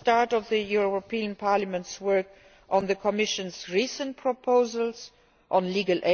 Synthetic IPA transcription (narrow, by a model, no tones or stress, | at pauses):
tɑɹtɔvðəjuɹɹopʰiːə̃npʰaɹləmə̃ntswɜ˞k | ʔɔ̃nðəkʰɔmɪʃə̃nsɹiːsə̃n̚pʰɹɔpʰoʊzəls | ʔɔ̃nliːɡəlʔe